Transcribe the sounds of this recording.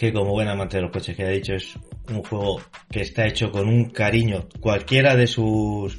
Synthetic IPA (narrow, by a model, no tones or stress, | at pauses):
ke̞ko̞moβwe̞namãnt̪eðelo̞ko̞t͡ʃe̞hkeaðit͡ʃo̞e̞suŋxwe̞ɣ̞o̞ke̞ːst̪ae̞t͡ʃo̞ko̞nuŋkaɾiɲokwalkje̞ɾaðe̞sus